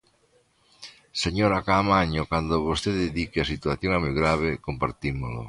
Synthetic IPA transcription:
seɲoɾakaːmaɲokwand̪oβost̪ed̪ed̪ikeasit̪uaθjonamojɡɾaβekompa̰ɾt̪imolʊ̰

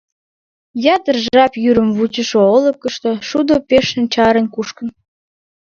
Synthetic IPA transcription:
jɑt̪ərʒɑpjyɾəmβut͡ɕəʃoolə̆kːəʃt̪oʃud̪opeʃə̆nt͡ɕɑɾenkuʃkə̆n

